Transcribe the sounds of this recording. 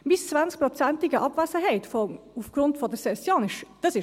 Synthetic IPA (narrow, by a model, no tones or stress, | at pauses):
mɪst͡sv̥ansk̚pʁot͡sæntɪɡəʔɑbvæsəɦɛɪtfɔ | ufɡ̥ʁʊntfɔdəsɛsjɑːnɪʃd̥əsɪ